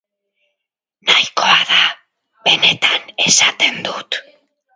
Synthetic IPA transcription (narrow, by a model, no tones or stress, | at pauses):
najko̞aða | βe̞ne̞t̪ane̞sat̪e̞nd̪ut̪